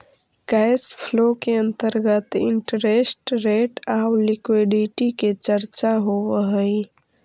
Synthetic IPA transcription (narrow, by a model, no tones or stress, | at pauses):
ɡ̥aɪspʰlokeə̃nt̪əɾɡət̪ɪ̰ɳʈəɾesʈɾeʈawlikwiɖiʈiket͡ʃəɾt͡ʃaɦowəɦə̃i